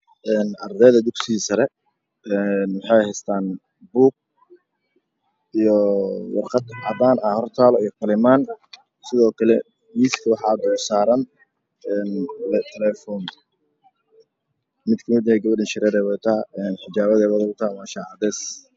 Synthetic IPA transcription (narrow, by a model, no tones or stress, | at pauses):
ʔɛːnʔɐrd̪ɛːðɐd̪ʊksɪːsɐɾɛ | ɛːnwɑħɑjhɛst̪ʰaːn | buːk̚ | ijɔwɑ̰rqɑd̪ʕɑbaːnɐhɔrt̪ʰaːlɔijkʰʊlɪmaːn | sɪðɔːkʰɐlɛ | miːskʰɐwɑħɑːd̪ɔːsaːɾɐn | ɛːnlɛt̪ʰɛlɛfɔːn | mɪd̪kʰɐmɪd̪nɛɡɐβɐɖɪnʃɪɾɛɾɛːwɛjt̪ʰaɛːnħɪd͡ʒaːβɐðɛβɐðɐʊt̪ʰamaːʃaʕad̪ɛːs